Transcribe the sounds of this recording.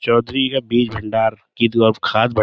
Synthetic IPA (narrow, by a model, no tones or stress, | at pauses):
t͡ʃɔːd̪ɾikabiːd͡ʒbʱɪɳɖaːɾkiɔkʰaːd̪̚bɐ